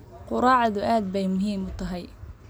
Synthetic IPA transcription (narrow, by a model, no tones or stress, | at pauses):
qʊɾɑːʕðʊʔaːd̪̚bɛjmʊɦiːmʊt̪ʰɐɦɛj